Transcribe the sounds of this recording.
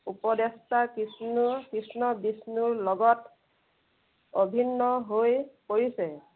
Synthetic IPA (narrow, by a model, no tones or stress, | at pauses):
upɔdestʰakisnukɹisnɔbisnuɹlɔɡɔt | obʱinːɔɦojpoɹisɛ